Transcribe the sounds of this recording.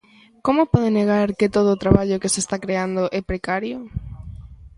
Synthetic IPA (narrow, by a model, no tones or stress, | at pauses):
komopɔð̞eneɣaɾkɪt̪oðoːt̪ɾaβaʎokesest̪akɾeand̪oʔɛpɾekaɾjo